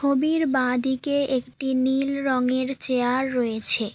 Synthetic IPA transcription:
obiɾbãd̪ikeekʈinilɾɔŋeɾt͡ɕeaɾːoet͡ɕʰe

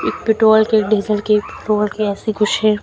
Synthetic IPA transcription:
ɪːk̚pɪʈɾoːlkeːkɖeːzəlkepɪʈɾoːlkeɛːsiɡʊt͡ʃɦɛ

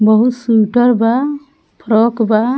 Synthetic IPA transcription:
bɔɦut̪suʈɔɾba | pʰɾɔkba

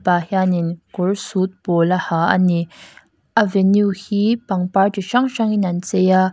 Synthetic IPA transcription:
pahaninkʊɹsut̪̚pɔlahaʔɐ̰ni | ʔavɛnjuhiːpɐŋpaɹtiʃɐŋʃaŋinɐnt͡sɛja

